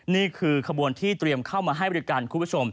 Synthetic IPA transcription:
niː˥˩kʰɯː˧kʰa˧bu˧ənt̪ʰiː˥˩t̪ɾi˧əmkʰa˥˩wmaː˧ɦa˥˩jbɔ˧˨i˦˥kaː˧nkʰuː˧˩˨pʰt͡ɕʰo˧m

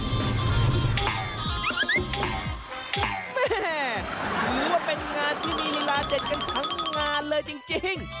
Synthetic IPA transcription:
mɛ˥˩˥ɾuː˦˨˦waː˥˩pe˧nŋaː˧nt̪ʰi˧˥˩miː˧li˦˥laː˧t͡ɕe˨˩t̪̚ka˧nk̪ʰa˩˦ŋŋaː˧nlɤː˧jt͡ɕi˧ŋt͡ɕi˧ŋ

